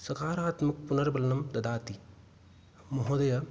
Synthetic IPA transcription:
sɐkaːɾaːt̪mɐk̚punɐɾbɐlɐnɐmd̪ɐd̪aːt̪i | moɦoːd̪ɐjɐ

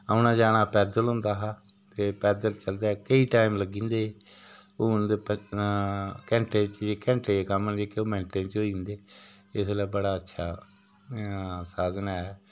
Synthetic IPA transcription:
aːʊnãːd͡ʒaːɽaːpɛːd̪əlɦʊ̃nd̪aːɦaː | t̪eːpɛːd̪əlt͡ʃəld̪aːkəiːʈaːimləɡĩːnd̪eː | oːd̪e | kɛ̃ːɳʈẽːt͡ʃd͡ʒeːkɛ̃ːɳʈeːeːkəmənd͡ʒeːkeoːmɛ̃ːɳʈẽːnt͡ʃoːiɪ̃nd̪eːɪslɛːbəɽaːətːʃʰaː | saːzənɛ

